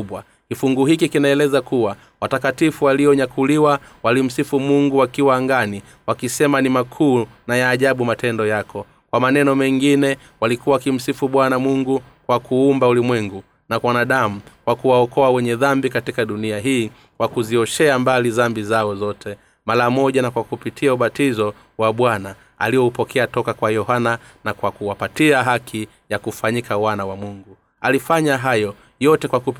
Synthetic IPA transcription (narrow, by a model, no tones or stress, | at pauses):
uɓwa | kifuŋɡuhikikinaɛlɛzakuwa | watakatifuwaliɔɲakuliwawalim̩sifumuŋɡuwakiwaːŋɡani | wakisɛmanimakʰuːnajaːʄaɓumatɛndɔjakɔ | kwamanɛnɔmɛŋɡinɛ | walikuwawkim̩sifuɓwanamuŋɡu | kwakuumbaulimwɛŋɡu | nakwanaɗamukwakuwaɔkɔawɛɲɛðambikatikaɗuniaɦiː | kwakuziɔʃɛambaliðambizaɔzɔtʰɛ | maɾamɔʄanakwakupitʰiauɓatizɔ | waɓwana | a̰liɔupɔkʰɛatɔkakwajɔhananakwakuwapatiaɦakʰi | jakufaɲikawanawamuŋɡu | alifaɲaɦajɔ | jɔtɛkwaku